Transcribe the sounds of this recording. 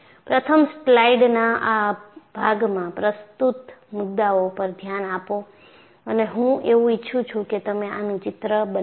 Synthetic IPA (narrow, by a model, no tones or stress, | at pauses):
pɾət̪ʰəmsʈlaiɖnaʔab̥ʱaɡmãpɾəst̪ut̪mʊd̪ːaopəɾd̪ʱjanapo | əneɦũeʋũɪtːʃʰũt͡ʃʰũket̪əmeʔanũt͡ʃɪt̪ɾəbə